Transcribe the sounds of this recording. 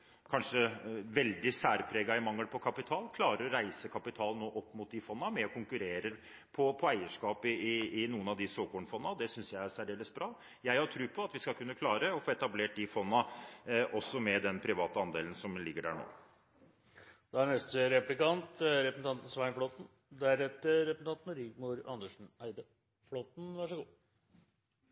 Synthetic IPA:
kʰɑnʂəʋɛld̪ɪsæːɾpʰɾeːɡɑɪmɑŋːəlpʰɔkʰɑpɪt̪ʰɑːlkʰlɑːɾəɾɔɾæɪsəkʰɑpɪt̪ʰɑːlnoːʔɔpːmʊt̪̚d̪ɪfɔnːɑmɛɔkʰʊŋkʉɾeːɾə | pʰɔpʰɔæɪəʂkɑːpɪɪɪnuːənɑʋd̪ɪsoːkɔɳfɔnːɑd̪ɛsʏnsjæɪæɾsæɾɪɛləsbɾɑː | jæɪhɑʈʰɾʉːpʰɔɑt̪ʋɪskɑlkʰʉnːəkʰlɑːɾəɔfoːɛt̪ɑbleːʈ̚d̪ɪfɔnːɑʔɔsːɔmɛd̪ɛnpʰɾɪʋɑːt̪əɑnd̪eːlənsɔmlɪɡːəɖæ̰ːɳo̰ː | d̪̥ɛæɾnɛst̪əɾɛplɪkɑnt̪ɾɛpəsn̩ɑnt̪n̩sʋæɪnflot̪n̩ | d̪æɾɛt̪ːəɾɾɛpəsn̩ʰɑnt̪nəɾiɡmuɾɑ̰nəʂɳ̩æɪd̪ə | flɔt̪n̩ʋæʂəɡuː

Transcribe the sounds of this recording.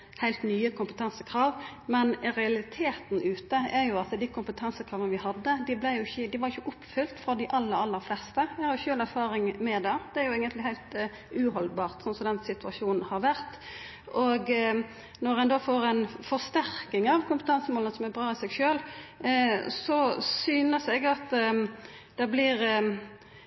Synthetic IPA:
hæɪlt̪nyːəkʰʊmpət̪ʰɑnsəkʰɾɑːʋmɛnɾɛɑlɪt̪ʰeːt̪nʉːt̪əæɾjʊɑt̪ːəd̪ɪkʰʊmpət̪ʰɑnsəkʰɾɑːʋənəʋɪhɑd̪ːəd̪ɪblæɪjʊɪçːəd̪ɪʋɑɾjɪçːəʔʊpːfʏlt̪fɾɔd̪ɪʔɑlːəɾɑlːəɾflɛst̪əæhɑɾjʊçøːlæɾfɑːɾɪŋmɛd̪ɑːd̪ɛæɾjʊeːɡənt̪lɪhæɪlt̪ | ʉhɔlbɑːʁt̪sɔnsɔmd̪ɛnsɪt̪ʉɑʃuːnn̩hɑɾʋæɾt̪ | ʔɔɡ | nɔɾænd̪oːfoːɾæɪnfɔʁst̪æɾʁkɪŋɑʋkʊmpət̪ʰɑnsəmoːlənəsɔmæɾbʁɑːɪsɛɡʃøːl | sɔsyːnəsɛɡɑt̪ | d̪̥ɛblɪɾ

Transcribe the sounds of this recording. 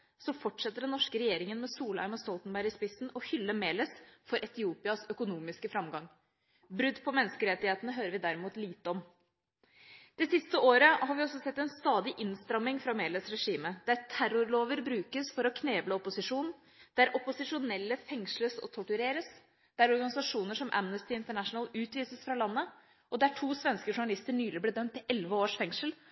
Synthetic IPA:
sɔfɔʈʂɛt̪ːəɖɛnnɔʂkəɾɛjeːɾɪŋənmɛsuːlæ̰ɪməst̪ɔlt̪ənbæɾɪspɪsnɔhʏlːəmeːləsfɔɾʔɛt̪ɪuːpɪɑsœkʊnuːmɪskəfɾɑmɡɑŋ | bɾʉd̪ːpʰɔmɛnskəɾɛt̪ːɪheːt̪ənəɦøːɾəɾʋɪd̪æɾɪmuːt̪liːt̪əɔm | d̪̥ɛsɪst̪əoːɾəhɑɾʋɪɔsːɔsɛt̪ːɛnst̪ɑːd̪ɪʔɪnst̪ɾɑmːɪŋfɾɑmeːləsɾɛʂiːməd̪̥æɾtʰæɾʊɾloːʋəɾbɾʉːkəsfɔɾɔkʰneːbləɔpʊsɪʂuːn | d̪̥æɾʔɔpʊsɪʂʊnɛlːəfɛŋʂləsɔ̰t̪ʰʊʈʉɾeːɾəs | d̪̥æɾɔɾɡɑnɪsɑʂuːnəʂɔmʔæ̰mnəst̪ɪɪnt̪əɳæʂnəlʉːt̪ʋiːsəsfɾɑlɑnːə | ʔɔd̪æʈʰuːsʋɛnskəʂʊɳɑlɪst̪əɳyːlɪbleːdœmt̪ːɪlʔɛlʋəoːʂfɛŋʂəl

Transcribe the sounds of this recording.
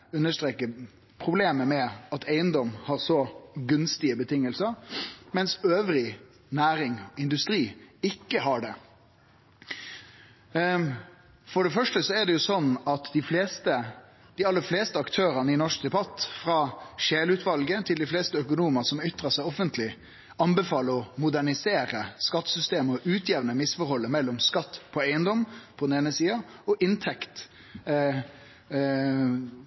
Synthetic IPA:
ʉnːəʂʈ̪ʁeːkːə | pʰʁʊbleːməmɛɑt̪ʰæɪənd̪ɔmhɑːɾsɔɡʉnst̪ɪəbət̪ʰɪŋːəlsəɾmɛnsøːʋɾɪ | næːɾɪŋɪnd̪ʉst̪ɾiːɪkːəɦɑɖɛ | fɔɖɛfœʂʈəsɔæɖɛjʊsɔnɑt̪d̪ɪfleːst̪ə | d̪ɪɑlːəfleːst̪əɑkt̪ʰøːɾənəɪnɔʂk̚d̪ɛbɑt̪ːfɾɑːʃeːlʉːt̪ʰʋɑlɡət̪ʰɪld̪ɪfleːst̪əœkʊnuːməsɔmʏt̪ʁəsæɪɔfənt̪ʰlɪ | ɑnbəfɑːləɔmʊd̪æɳɪseːɾəskɑt̪ːsʏst̪eːməɔʔʉːt̪ʰjɛʋnəmɪsfɔɾhɔlːəmɛlːɔmskɑt̪ːpʰɔæɪənd̪ɔmpʰɔd̪ɛn̩eːnəsiːɑɔʔɪnt̪ʰɛkt̪

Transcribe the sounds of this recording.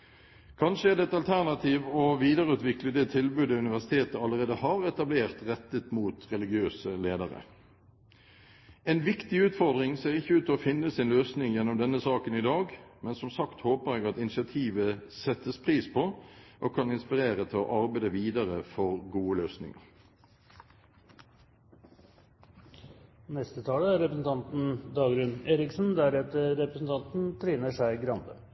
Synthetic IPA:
kʰɑnʂəæʁd̪ɛːɛt̪ɑlt̪ʰæʁnɑt̪ʰiːʋɔʋiːd̪əʁəʉːt̪ʋɪkləd̪ɛt̪ʰɪlbʉːd̪əʉnɪʋæʁsɪt̪ʰeːt̪əɑləʁeːd̪əhɑɾɛt̪ɑbleːʁt̪ʁɛt̪ːət̪muːt̪ʁɛlɪɡɪøːsəleːd̪əɾə̰ | ɛnʋɪkt̪ɪʉːt̪fɔʁd̪ʁɪŋseːʁɪçːəʉːt̪ːɔfɪnːəsɪnløːsnɪŋjɛnːɔmd̪ɛnːəsɑːkənɪd̪ɑːɡmɛnsɔmsɑkt̪hoːpəʁɛɡɑt̪ɪnɪsɪɑt̪ʰiːʋəsɛt̪ːəspʰʁiːspʰɔʔoːkʰɑnɪnspɪʁeːɾət̪ʰɪlɔ̰ʔɑʁbæɪd̪əʋiːd̪ɑʁəfɔʁɡuːəløːsnɪ̰ŋə̰ʁ | nɛst̪ət̪ʰɑːləæɾɾɛpɾəsn̩t̪ʰɑnt̪n̩d̪ɑːɡɾʉneːɾɪksnd̪æɾɛt̪əɾɛpɾəsn̩t̪ʰɑnt̪n̩t̪ʰɾiːnəʂæɪɡɾɑnd̪ə̰

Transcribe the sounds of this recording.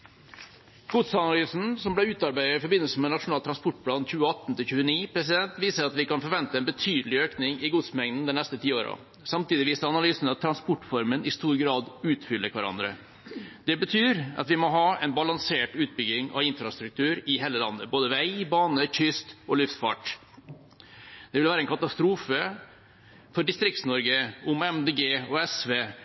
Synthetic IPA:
ɡ̥uːt̪sɑnɑlyːsn̩sɔmblæʉːt̪ɑɾbæɪəɾɪfɔɾbɪnːəlsəmɛnɑʂʊnɑːlt̪ʰːɾɑnspɔʈpʰlɑːnçʉːəɑt̪ːn̩t̪ɪlçʉːəniːpʰɾɛs̬ɪd̪ɛnt̪ʋiːsəɾɑt̪ʋɪkɑnfɔɾʋɛnt̪əɛɪnbət̪ʰyːd̪əlɪøːknɪŋɪɡuːt̪smɛŋd̪n̩d̪ɛnɛst̪ət̪ʰiːoːɾɑ̰ | sɑmt̪iːd̪ɪʋiːsəɾɑnɑlyːsn̩ɑt̪ʰːɾɑnspɔʈːfɔɾmənɪst̪uːɾɡɾɑːd̪ʉːt̪fʏlːəkʰʋæɾɑ̰nd̪ɾə̰ | d̪ɛbət̪ʰyːɾɑ̰t̪ʋɪmɔɦɑːɛɪnbɑlɑŋseːʈʉːt̪̚bʏɡɪŋɑ̰ʋɪnfɾɑst̪ɾʉk̚t̪ʰʉːɾɪɦeːləlɑ̰nːəboːd̪əʋæɪbɑːnəçʏst̪ɔlʉft̪fɑ̰ʈ | d̪̥ɛʋɪlʋæːɾəɛnkʰɑt̪ɑst̪ɾuːfə | fɔɖɪst̪ɾɪkt̪snɔɾɡəʊmɛmd̪eːɡeːɔɛsʋeː

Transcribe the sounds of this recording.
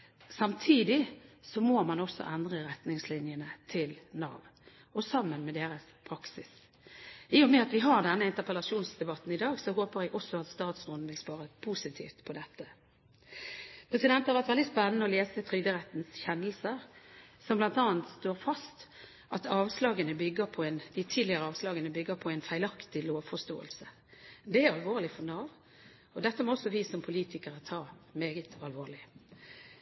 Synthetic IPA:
sɑmt̪ʰiːd̪ɪsɔmoːmɑnɔsːɔ̰ʔɛnd̪ʁəɾɛt̪nɪŋslɪnjənət̪ʰɪlnɑ̰ːʋ | ɔsɑmːənmɛd̪eːɾəspʰɾɑksɪs | ɪːɔmɛɑt̪ʋɪɦɑʁd̪ɛnːəɪnt̪əʁpəlɑʂuːnsd̪ɛbɑt̪ːn̩ɪd̪ɑːɡsɔɦoːpəɾjæɡʔɔsːɔɑt̪st̪ɑːt̪sɡʊnn̩ʋɪlspɑːɾəpʰusɪt̪ʰḭːft̪pʰɔd̪ɛt̪ːə | pʰɾɛsɪd̪ɛnt̪hɑɾʋæʁt̪ʋɛlɪspɛnːənəɔleːsət̪ʰʁʏd̪əʁɛt̪nsçɛnːəlsəɾsɔmblɑnt̪ɑːənt̪st̪oːʁfɑst̪ | ʔɑt̪ɑːʋslɑːɡənəbʏɡːəpʰɔɛɪnd̪ɪt̪ʰiːd̪lɪəʁəɑːʋslɑːɡənəbʏɡːəɾpʰɔæɪnfæɪlɑkt̪ɪloːʋfɔst̪o̰ːə̰lsə | d̪ɛæɾɑlʋoːʁlɪfɔnɑːʋ | ɔd̪ɛt̪ːəmɔɔsːɔʋiːsɔmpʰʊliːt̪ɪkəʁət̪ʰɑːmeːɡət̪ɑlʋoːʁlɪ

